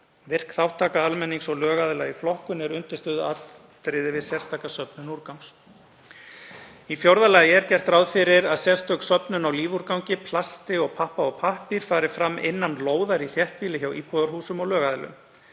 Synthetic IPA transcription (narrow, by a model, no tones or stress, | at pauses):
vɪr̥kθawht̪ʰaːkaalmɛnːiŋsɔɣlœːɣaðɪlaɣiflɔhkʏnɛɾʏnt̪ɪst̪ʏːðʏat | t̪ɾɪðɪvɪðsjɛɾ̥st̪ʰaːkasœpnʏnuɾkawŋs | ifjowɾðalaːjɪɛɾcɛr̥t̪ɾawðfɪɾɪɾaðsjɛr̥st̪œksœpnʏnawliːvuɾkawɲcɪpʰlast̪ɪɔɣpʰahpaɔɣpʰahpiɾ̥faːɾɪ̥fɾamːɪ̰nːanloːwðaɾiθjɛht̪̚piːlɪçawiːpʰɔːðaɾ̥huːsʏmɔɣlœːɣaðɪlʏ̰m